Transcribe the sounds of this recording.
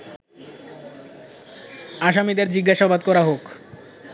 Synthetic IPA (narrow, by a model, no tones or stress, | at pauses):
aʃamid̪eɾd͡ʑiɡːaʃabad̪kɔɾaɦok